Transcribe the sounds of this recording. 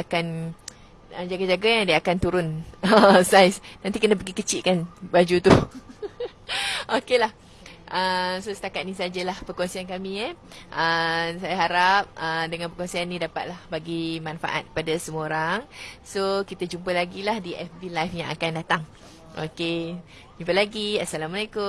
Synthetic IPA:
akan | əd͡ʒaɡad͡ʒaɡajaŋdiakant̪uɾʊnəsajsnãnt̪ikənəp̬əɡikət͡ʃiʔ̪̚kanbad͡ʒut̪u | ʔokelah | ʔəsosə̥t̪akat̪̚nis̬ad͡ʒəlahpərkɔnsiankamĩʔəsajaɦaɾap̚ədəŋãnpərkonsianːĩdapat̪̚lahbaɡimãnfa̰ʔa̰t̪̚kəpadasəmuaoɾaŋsokit̪ad͡ʒumpəlaɡilahdiʔɛfbilajfjãŋakandat̪aŋ | ʔo̰ke | d͡ʒumpəlaɡiasalamalakʊ

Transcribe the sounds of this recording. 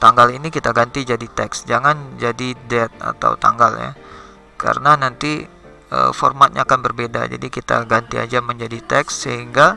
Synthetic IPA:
t̪aŋɡalinikit̪aɡant̪id͡ʒadit̪ɛksd͡ʒaŋand͡ʒadidɛt̪̚a̰t̪a̰wt̪a̰ŋɡalja̰ | ka̰ɾənanant̪i | ə̰fɔ̰rmat̪̚ɲaːkanbərbeda̰d͡ʒa̰dikit̪a̰ɡant̪ia̰d͡ʒaməɲd͡ʒadit̪ɛksːəɦiŋɡa

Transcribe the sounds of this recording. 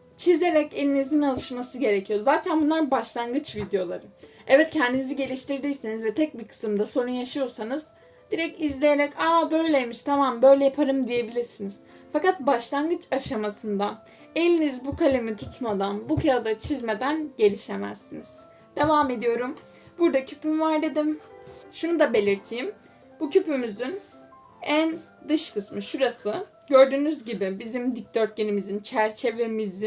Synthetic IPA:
t͡ʃʰize̞ɾɛce̞lʲinizinalˠɯʃmasɯɟe̞ɾecʰijo̞zaːt̪ʰænbunlˠaɾbaʃlˠanɡɯt͡ʃvid̪ejo̞lˠaɾɯɛvɛt̪cʰɛnd̪iniziɟe̞lʲiʃt̪iɾd̪ijsinizvɛt̪ʰɛc̚biɾkʰɯ̥sɯmd̪aso̞ɾunjaʃɯjo̞ɾsanɯz̥ | d̪̥iɾɛcizlʲeje̞ɾɛcaabø̞jlʲejmiʃt̪ʰamambø̞jlʲɛjapʰaɾɯmd̪ije̞bilʲiɾsiniz̥ | fakat̪̚baʃlˠanɡɯt͡ʃʰaʃamasɯnd̪a | e̞lʲinizbukʰalʲemit̪ʰut̪ʰmad̪anbukʰaɾad̪at͡ʃʰizme̞d̪ænɟe̞lʲiʃe̞mæ̰zːiniz̥ | d̪̥e̞vaːme̞d̪ijo̞ɾum | buɾd̪acʰy̥pʰymvaɾd̪e̞d̪imʃunud̪abe̞lʲiɾt̪ʰijm | b̥ucʰypymyzyn | æn | d̪ɯʃkʰɯsmɯʃuɾasɯ | ɟøɾd̪yːnyzɟibibizimd̪ic̚d̪øɾt̪̚ɟenimizint͡ʃʰæɾt͡ʃʰe̞ve̞mizi

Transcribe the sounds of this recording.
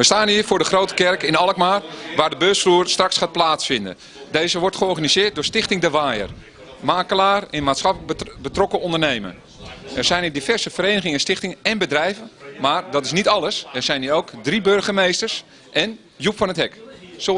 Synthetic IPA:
ʋəstaːnɦiːɹfʊːɹdəχroːwtə̥kɛrkɪnɔlˠəkmaːrʋaːrdəbøːsfruːərstrɑksχaːt̚plaːtsfɪndə̰n | deːzəʋɔɹtχəɔrɣanizɪːrt̚dʊːɹstɪxtɪŋdəʋaːjə̰r | maːkəlaːrɪnmaːtsχɑpləbətrɔkəɔndərnejmə̰ | ɛrz̥ɛjniːdifɛrzəfəɾeːnəɣɪŋənstɪxtɪŋɛnbədrɛjvənmaːrdɔtɪsnitɑlˠəsɛrz̥ɛjniːoːwkdribørχəmejstərs | ʔɛn | jupfɔnətɦɛkso

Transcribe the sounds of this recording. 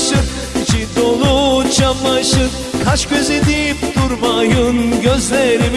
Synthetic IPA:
ʃɯ | t͡ʃid̪olˠut͡ʃamːaʃɯ | kʰaʃkʲøzid̪ipt̪uɾmajɯnɟøzlʲeɾim

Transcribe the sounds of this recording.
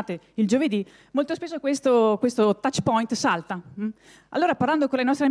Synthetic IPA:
t̪eild͡ʒoved̪i | molt̪ospesːokwest̪okwest̪ot̪at͡ʃːpɔjnt̪salt̪a | a̰lːoːɾaparland̪okonlenɔst̪ɾea

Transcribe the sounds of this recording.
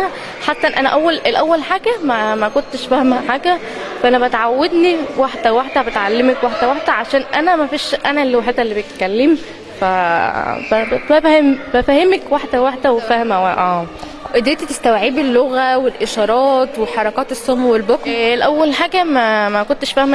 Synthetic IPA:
ħat̪ːæʔenʔænæʔæwːælelʔæwːælħaːɡæmæmækont̪ʃfæhmæħaːɡæ | fæʔænæbæt̪ʕawːed̪niwaħd̪æwewaħd̪æbet̪ʕalːemækwaħd̪æwaħd̪æʕaʃæːnʔænæmæfiːʃʔænælːwaħet̪ælːibet̪kælːem | fæ | fæbæfæhembæfæhemekwaħd̪æwaħd̪æwefæhmæʔæː | ʔed̪eːt̪it̪est̪æwʕiːbelːoɣæwelʔeʃɑːɾˤɑːt̪weħɑɾˤɑkɑːt̪esˤːomwelbokelʔæwːælħaːɡæmæmækont̪eʃfæhmæ

